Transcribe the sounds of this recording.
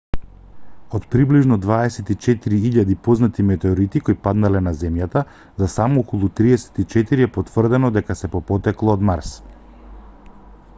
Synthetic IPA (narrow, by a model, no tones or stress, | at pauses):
ot̪pɾibliʒnɔd̪vaɛsɛt̪it͡ʃɛt̪iɾiiʎad̪ipɔznat̪imɛt̪ɛɔɾit̪ikojipad̪nalɛnazɛmjat̪a | zasamɔokɔlˠut̪ɾiɛsɛ̥t̪it͡ʃɛt̪iɾiɛpot̪vr̩d̪ɛnɔd̪ɛkasɛpɔpɔt̪ɛklˠɔːd̪maɾs